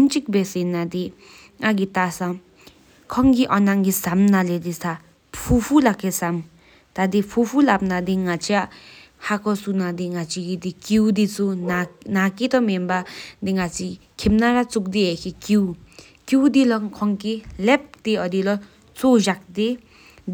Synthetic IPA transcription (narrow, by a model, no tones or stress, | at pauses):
nt͡ʃik̚besenad̪i | ŋaɡit̪asa | kʰɔŋɡiʔɔnaŋɡisamnaled̪isa | pʰupʰulakʰːesam | t̪ad̪ipʰupʰulap̚nad̪iŋat͡sʰia | hakɔsunad̪iŋat͡sʰiɡid̪ikiwd̪it͡sunanakit̪ɔmembad̪iŋat͡sʰi | kʰimnaɾat͡suk̚d̪iɦekʰikiw | kiwd̪ilɔŋkʰɔŋkilɛp̚d̪̥iʌd̪ilɔ | t͡soʒak̚d̪e